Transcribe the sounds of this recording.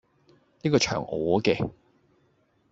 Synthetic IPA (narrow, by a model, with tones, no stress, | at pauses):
niː˥kɔː˧t͡ʃʰœ̰ː˨˩ŋʔɔː˨˦kɛː˧